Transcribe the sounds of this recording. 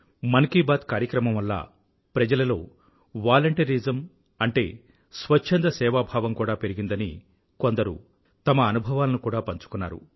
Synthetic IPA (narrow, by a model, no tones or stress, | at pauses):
mɐnkiːbaːt̪kaːɾjɐkɾɐmɐmʋɐlːa̰ː | pɾɐd͡ʒɐlɐlo̞ː | ʋaːlɐɳʈɐɾid͡ʒɐm | ɐɳʈe̞̰ː | sʋɐt͡ʃʃʰend̪ɐsɛːʋaːbʱaːʋɐmkuːɽaːpe̞ɾiɡind̪ɐnḭ | ko̞nd̪ɐɾṵ | t̪ɐmɐːnubʱɐʋaːlɐnukuːɽaːpɐɲt͡ʃu̥kunːa̰ːɾṵ